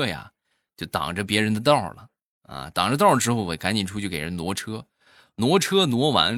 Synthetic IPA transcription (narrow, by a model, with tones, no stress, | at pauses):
ɤ˥ja̰˨˩ | t͡ɕjo˥˩ʊt̪ɑ̰˨˩ŋʈ͡ʂə˦p̬jɛ˧˥ɻə˧˥nd̪ə˧t̪̬ɑ˥˩ʊlə̰˩ | ɐ̰˧t̪ɑ̰˨˩ŋʈ͡ʂə˦t̪ɑ˥˩lə˩ʂɻ̩˧˥xo˥˩ʊwɔ˧˩˥ka˧˥nt͡ɕi˨˩nʈ͡ʂʰu˥t͡ɕjo˥˩ke˨˩ɻə̰˧˦nwɔ˧˥ʈ͡ʂʰɤ˥ | nwɔ˧˥ʈ͡ʂʰɤ˥nwɔ˧˥wa̰˧˥n